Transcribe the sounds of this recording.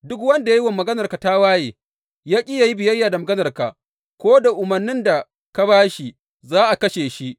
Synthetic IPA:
dʊ˦kwɐ˦nda˨ji˦wa˨mːɐ˨ɡɐ˦nɐ˨rka˨ta˦waː˦jeː˨ | jaː˦kʲʼɪ˦ja˨ji˦bɪ˨jɐ˦jːaː˨da˨mɐ˨ɡɐ˦nɐ˨rka̰˨ʔ | kʷoː˦da˨ʔʊ˨mɐ˨rnːɪ˦nda˨ | ka˦baː˦ʃi˨ | zaː˦ʔa˨kɐ˦ʃeː˨ʃi˦ʔ

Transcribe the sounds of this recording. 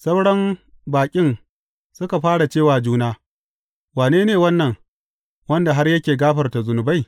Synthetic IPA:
sɐ˦wɽɐ˦mbaː˨kʲʼɪ˦ŋ | sʊ˦ka˨ɸaː˦ɽa˨t͡ʃeː˦˨waː˨d͡ʒuː˦naː˦ | waː˨neː˦neː˨wɐ˦nːɐ˨ŋ | wɐ˦nda˨ɦa˦rjɐ˦kʲeː˨ɡaː˦ɸɐ˨rta˨zʊ˨nʊ˨ba˦j

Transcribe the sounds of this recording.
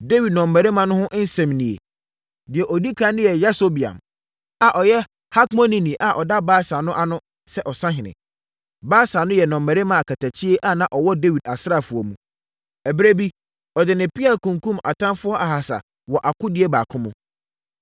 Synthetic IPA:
de˦wi˨d̚nɔ̃˨mːæ˨ɾe˦mã˨nʊ̃˦hʊ̃˦ʔn̩˦sɛ̃˨mnĩ˨ḛ˨ | dɪ˨ɛ˨ʔɔ˨di˦kʰa˦nɪ̃˦jɛ˨jɛ˦so˦bi˨ã̰˨m | a˨ʔɔ˨jɛ˦ | ha˦kmɔ̃˦nĩ˦nĩ˨ʔa˨ʔɔ˨da˦baː˦sa˨nʊ̃˦ʔa˨nʊ̃˦ | sɛ˦ʔɔ˨sã˦ɦɪ̃˨nɪ̰̃˨ | baː˦sa˨nʊ̃˦jɛ˨nɔ̃˨mːɛ˨ɾe˦mã˨a˨kʰa˨tʰæ˨t͡ɕʰɪ˦e˦ʔa˦nã˨ʔɔ˨wɔ˦de˦wi˨da˨sɾa˦˨fʊ˨ɔ˨mũ˨ | ɛ˨bɾe˦bi˦ | ɔ˨dɪ˨nɪ̃˨pi˦a˨lkũ˨ŋkũ˦ma̰˨tʰã˦nfʊ˦ɔ˦ʔa˨ɦa˨sa̰˨ | wɔ˨ʔa˨kʊ˦dɪ˦e˦baː˨kʰʊ̃˦mʊ̃˦

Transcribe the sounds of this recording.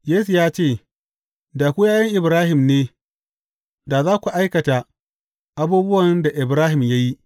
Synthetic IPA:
jeː˦su˨jaː˦t͡ʃeː˦˨ | da˨kʷu˦jaː˦jɐ˦ŋʔɪ˨bɾaː˦hɪ˨mneː˦ | da˨zaː˦kʷu˨ʔa˦jkɐ˨ta˨ | ʔa˦buː˦bʊ˦wɐ˨nda˨ʔɪ˨bɾaː˦ɦɪ˨mja˦ji˦ʔ

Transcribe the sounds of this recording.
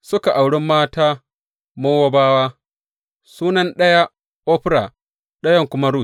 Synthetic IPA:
sʊ˦ka˨ʔa˨wɽɪ˦mːaː˦taː˦ | moː˦wɐ˦baː˦waː˦ | suː˦nɐ˦nɗɐ˦ja˦ | ʔo˦ɸɪ˦ɾa˨ | ɗɐ˦jɐ˦˨ŋkʷʊ˦ma˦ɾuː˦˨s

